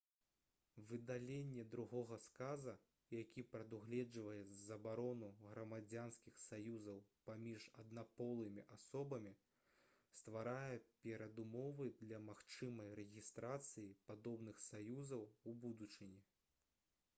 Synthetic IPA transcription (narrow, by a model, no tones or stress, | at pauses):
vɨd̪alʲenʲːɛd̪ɾuɣɔɣɐskazɐ | jakʲipɾɐd̪uɣlʲɛd͡ʐvɐjɛzzɐbaɾɔnuɣɾɐmad͡zʲanskʲixsajuzɐwpamʲiʐɐd̪napɔlˠɨmʲiʔasɔbɐmʲi | st̪vaɾajɛpʲɛɾɐd̪umɔvɨd̪lʲɐmaxt͡ʂɨmɐjrɛɣʲist̪ɾat̪sɨjipad̪ɔbnɨxsajuzɐwubud̪ut͡ʂɨnʲɛ